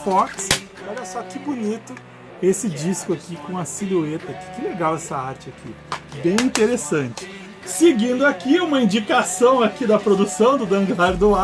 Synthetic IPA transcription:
fɔks | ɔʎɐsɔkɪbunit̪ʊ | esɪd͡ʒiskʊakikõɐsiluet̪ɐkɪ̥kɪleɡawɛsɐaɾt͡ʃɪakʰḭ | bẽj̃ĩnt̪eɾesɐ̃nt͡ʃɪ̥ | seɡĩnd̪ʊakiũmɐĩd͡ʒikasɐ̃w̃akid̪ɐpɾod̪usɐ̃w̃d̪ʊd̪ɐ̃ŋɡlaɾd̪ʊa

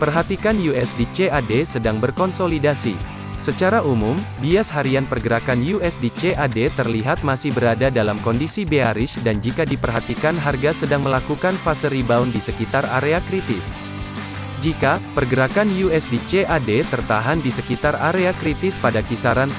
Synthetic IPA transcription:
pərɦat̪ikanjuɛsdit͡ʃeadesədaŋbərkɔnsolidasi | sət͡ʃaɾaʔumumbiasɦaɾianpərɡəɾakanjuɛsdit͡ʃeʔadet̪ərliɦat̪̚masɪhbəɾadadalamkɔndisibeaɾɪsdand͡ʒikadipərɦat̪ikanɦarɡasədaŋməlakukanfasəɾibaundisəkit̪ara̰ɾeakɾit̪ɪs | d͡ʒikapərɡəɾakanjuɛsdit͡ʃeʔadet̪ərt̪aɦandisəkit̪araɾeakɾit̪ɪspadakisaɾan

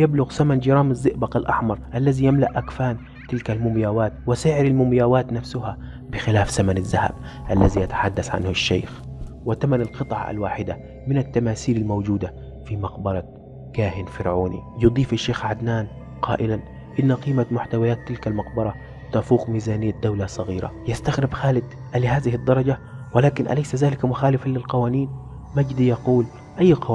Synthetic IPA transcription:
jablʊɣsamand͡ʒɪɾˤɑːmazːɪʔbaqalʔɑ̰ħmɑɾˤʔalːazijamla̰ʔʔakfaːn | t̪ɪlkalmʊmjaːwaːt̪wɪsɪʕɪɾalmʊmjaːwaːt̪nafsʊha | bɪxɪlaːfsamanazːaha̰b̚ʔalːaziʔat̪ḁħad̪ːasʕa̰nhʊʃːḛːxwɪt̪amanalqɨt̪ˤʕɑ̰ʔa̰lwaːħɪd̪a̰ | mɪnat̪ːamaːsiːlalmowd͡ʒuːd̪a | fimɑqbɑɾˤɑ | kaːɦɪnfɪɾʕuːnḭjʊd̪ˤiːfaʃːeːxʕad̪naːn | qʰɑ̰ːʔɪlan | ʔɪnːaqiːmamʊħt̪awajaːt̪ːɪlkalmɑqbɑɾˤɑ | t̪afuːqmiːzaːnɪjːad̪awlasˤɑɣiːɾa̰jɪst̪axɾɪbxaːlɪd̪ | ʔalːiɦaːðɪhɪd̪ːɑɾˤɑd͡ʒawɪlaːkɪnʔa̰lajsazaːlɪkamʊxaːlɪfalːɪlqɑwaːniːn | mad͡ʒd̪ijɑquːl | ʔajːqɑ

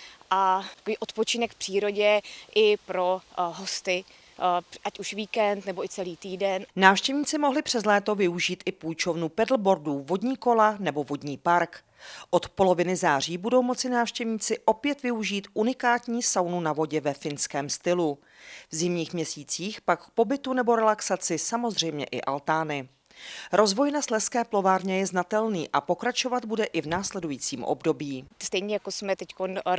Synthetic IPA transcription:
ʔaḁkoviːʔot̪pot͡ʃɪnɛkfpr̥iːɾo̞ɟɛʔɪpɾoɦost̪ɪ | ʔacuʃviːkɛnt̪nɛboɪt͡sɛliːt̪iːdɛnnaːfʃcɛvɲiːt͡sɪmo̞ɦlɪpr̝̥ɛzlɛːt̪o̞vɪuʒiːt̪ʔɪpujt͡ʃo̞vnupɛdl̩bo̞ɾduvo̞dɲiːko̞lanɛbo̞vo̞dɲiːpaɾk | ʔo̞t̪po̞lo̞vɪnɪzaːr̝iːbudo̞wmo̞t͡sɪnaːfʃcɛvɲiːt͡sɪʔo̞pjɛt̪vɪuʒiːt̪ʔunɪkaːt̪ɲiːsawnunavo̞ɟɛvɛfɪnskɛːmst̪ɪlu | vzɪmɲiːxmɲɛsiːt͡siːxpakkpo̞bɪt̪unɛbo̞ɾɛlaksat͡sɪsamo̞zr̝ɛjmɲɛ̰ʔɪ̰ʔalt̪aːnɪ | ɾo̞zvo̞jnaslɛskɛːplo̞vaːɾɲɛjɛznat̪ɛlniːʔapo̞kɾat͡ʃo̞vad̪̚budɛʔɪvnaːslɛdujiːt͡siːmʔo̰bdo̞bjiːst̪ɛjɲɛjakosmɛt̪ɛckon

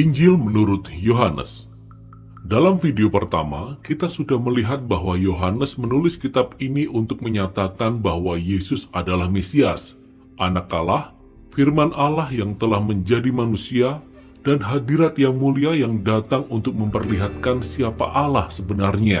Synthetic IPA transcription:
ʔiɲd͡ʒɪlmənuɾʊt̪joɦanə̰s | dalamfideopərt̪a̰ma̰kit̪asudahməliɦat̪̚baɦwajoɦanəsmənulɪskit̪ab̚iniʔunt̪ʊk̚məɲat̪akanbahwajesʊsadalahmesias | ʔanakalah | firmanʔalahjaŋt̪əlahməɲd͡ʒadimanusia | d̥anɦadiɾat̪jaŋmuliajaŋdat̪aŋunt̪ʊk̚məmpərliɦat̪̚kansiapa̰ʔalahsəbənarɲa

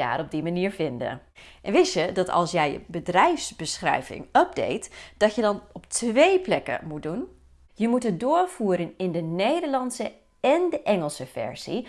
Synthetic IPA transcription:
a̰ːɾɔb̚dimaniːɹvɪndə̰ʔɛnʋɪsədɑtɑ̰lˠsjɛjə̰bədrɛjfsbəsχrɛ̰jvɪ̰ŋəb̚dḛjtd̥ɑtjədɑnɔp̚tʋejplɛkə̰mut̚dun | jəmutɦət̚dʊːɹv̥uːɾənɪndənejdəɹlɑnsə | ɛndəʔɛŋəlˠsəfɛ̰ɹz̥i

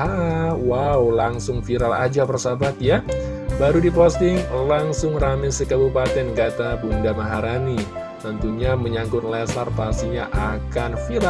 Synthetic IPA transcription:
awawlaŋsʊŋfiɾala̰d͡ʒapərsabat̪ja | baɾudipost̪ɪŋlaŋsʊŋramɪsəkabupat̪ɛnɡat̪abuŋdamaɦaɾani | t̪ənt̪uɲaməɲaŋɡʊt̪lɛslarpasiɲaʔakanfiɾa

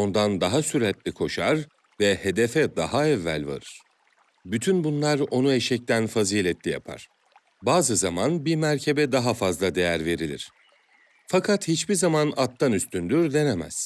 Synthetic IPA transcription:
o̞nd̪and̪aɦasyɾɛt̪lʲikʰo̞ʃaɾ | vɛhe̞d̪efɛd̪aɦaɛvːæ̰lʲva̰ɾɯɾ̥ | byt̪ʰynbunlˠaɾo̞nuɛʃɛc̚t̪ʰænfaziːlʲɛt̪lʲija̰pʰa̰ɾ̥ | baːzɯzamanbiɾmæɾcʰe̞bɛd̪aɦafazlˠad̪e̞jæɾve̞ɾilʲḭɾ̥ | fakʰat̪hit͡ʃbiɾzamanat̪ʰːanyst̪ʰynd̪yɾd̪e̞nemæ̰z̥

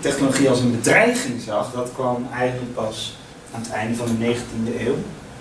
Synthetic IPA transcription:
tɛχnoloχiɑlˠsənbədrɛjχɪŋzɑχdɑtkʋɑmɛjχənələk̚pɑs | aːnətʰɛjndəvɑndənejχəntindəeːw

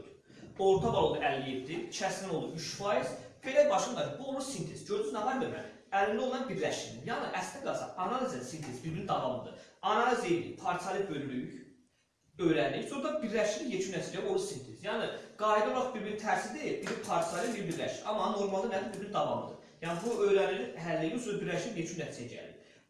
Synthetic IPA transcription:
o̞ɾt̪ʰɑd̪ɑolˠd̪uʔælːijipd̪it͡ʃʰæsminolˠd̪uyʃfɑjiz̥be̞læbɑʃɯnd̪ɑɾbuolˠmuɾsint̪ʰezd͡ʒøɾd̪yznɑvɑɾbeɾmæ̰ɾ | ælːind̪o̞lˠɑnbiɾlæʃid̪injɑnɯʔæsliɡɑsɑ̰ɑnɑlˠizɛnsint̪ʰezbiɾbiɾnid̪ɑvɑmɯd̪ɯ̰ɑnɑlˠized̪ipʰɑɾsʰɑlˠibø̞lːyç | ø̞jɾæniçsoɾd̪ɑbiɾlæʃid̪ijet͡ʃʰynːæt̪ʰid͡ʒæo̞ld̪ɑsint̪ʰezjɑːnɨɡ̥ɑːjed̪olˠoɾɑχbiɾbiɾit̪ʰæɾsid̪ibiɾiɾpʰɑɾt̪sʰɑlˠibiɾbiɾlæʃiʔɑmːɑno̞ɾmɑlˠd̪ɯnæd̪ibiɾbiɾid̪ɑvɑmɯd̪ɯ̰ | jɑnɨbuøjɾæniɾiɦælːijisobiɾlæʃijet͡ʃʰynːæt̪ʰid͡ʒæjæɟæ̰lḭɾ

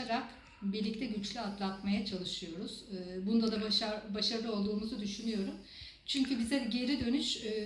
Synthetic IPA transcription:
aɾak | biɾlʲic̚t̪ʰɛɟyt͡ʃlʲyat̪lˠat̪majat͡ʃʰalˠɯʃɯjo̞ɾuz̥ːbund̪ad̪aaabaʃaɾlˠɯo̞lˠd̪uːmuzud̪yʃynyjo̞ɾum | t͡ʃʰyɲcʰybizɛɟe̞ɾid̪ø̞nyʃː

